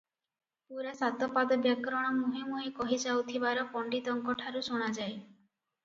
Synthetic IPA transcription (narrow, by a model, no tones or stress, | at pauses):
puɾasat̪ɔpad̪ɔbjakɾɔɽ̃ɔmuɦimoekɔɦid͡ʒawt̪ʰibaɾɔpɔɳɖit̪ɔŋkɔʈʰaɾusoɽ̃ad͡ʒaj